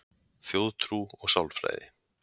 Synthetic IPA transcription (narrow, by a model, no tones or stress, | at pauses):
θjoːwðt̪ʰɾuɔɣsawlfɾa̰jðɪ